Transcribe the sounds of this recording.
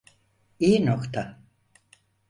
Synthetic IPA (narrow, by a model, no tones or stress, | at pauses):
ijinokt̪ʰa